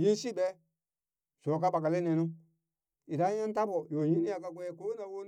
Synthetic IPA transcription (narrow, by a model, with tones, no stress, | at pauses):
ji˦n˦si˦˨bɛ˦ | so˨ka˦ɓa˨ka˨le˦ne˨nũ˦ | i˨da˦ja˦n˦ta˦bo˨jo˨ji˦ni˦a˨ka˦ɡʷe˦˨ko˦na˨wo˦